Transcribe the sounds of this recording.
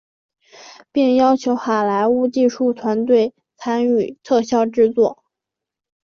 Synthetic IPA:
pi˥˩ŋjɑ˥ʊt͡ɕʰjo˧˥ʊxa˨˩la˧˥ɪu˥˧t͡ɕi˥˧ʂu˥˩t̪ʰwa˧˥nt̪we˥˩ɪ | t͡sʰa˥ny˨˩t̪ʰɤ˥˧ɕjɑ˥˧ʊʈ͡ʂɻ̩˥˧t͡swɔ˥˩

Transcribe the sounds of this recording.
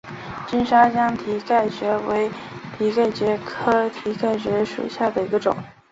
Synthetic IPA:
t͡ɕi˥nʂa˥t͡ɕjɑ˥ŋt̪ʰi˧˥ka˥˩ɪt͡ɕɥɛ˧˥we˧˥ɪt̪ʰi˧˥ka˥˩ɪt͡ɕɥɛ˧˥kʰɤ˥t̪ʰi˧˥ka˥˩ɪt͡ɕɥɛ˧˥ʂṵ˨˩ɕja˥˩d̪ə˩i˧˥ɡə˧ʈ͡ʂʊ̰˨˩˦ŋ

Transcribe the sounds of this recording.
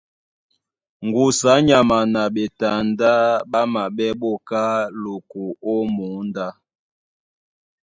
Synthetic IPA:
ŋɡu˨sa˨˦ɲa˨ma˨na˨ɓe˨ta˨nda˦ɓa˦ma˨ɓɛ˦ɓɔ˦˨ka˦lo˨ku˨ɔ˦mu˨˦nda˦

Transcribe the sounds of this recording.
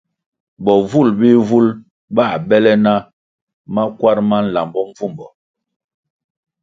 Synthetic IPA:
bɔ˨vu˦˨lbi˦vu˦l | ba˦˨bɛ˦lɛ˦na˦ | ma˦kwa˦ɾma˦n̩˨la˨mbɔ˦ɱ˦vu˦˨mbɔ˨

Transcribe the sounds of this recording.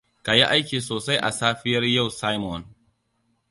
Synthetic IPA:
ka˨ji˦ʔa˦jkʲiː˨soː˨sa˦jʔa̰˨saː˦ɸɪ˦jɐ˦rja˦˨wsa˦jmɔ˨n

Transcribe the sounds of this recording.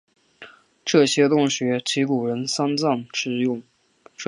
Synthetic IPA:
ʈ͡ʂɤ˥˩ɕjɛ˥t̪ʊ˥ŋɕɥɛ˧˥t͡ɕʰi˧˥ku˨˩ɻə˧˥nsa˥nt͡sɑ˥˩ŋʈ͡ʂɻ̩˥˧jʊ˥˩ŋ | ʈ͡ʂ

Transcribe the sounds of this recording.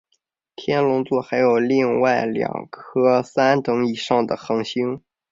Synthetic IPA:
t̪ʰjɛ˥nlʊ˧˥ŋt͡swɔ˥˩xa˧˥ɪjo˨˩ʊli˥˧ŋwa˥˩ɪljɑ̰˨˩ŋkʰɤ˥sa˥nt̪ɤ˧˥ŋi˨˩ʂɑ˥˩ŋd̪ə˩xɤ˧˥ŋɕi˥ŋ

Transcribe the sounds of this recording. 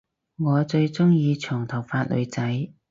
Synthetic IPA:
ŋɔː˨˧t͡ʃɵ˧ɥt͡sʊ˥ŋjiː˧t͡ʃʰœː˨˩ŋt̪ʰɐ˨˩wfaː˧t̚lʔɵ̰˨˧ɥt͡sɐ˨˥j

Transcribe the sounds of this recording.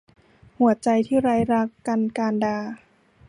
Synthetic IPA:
hu˨˩˦ɐt͡ɕa˧jt̪ʰiː˥˩ɾaː˧jɾa˦˥kːa˧nkaː˧ndaː˧

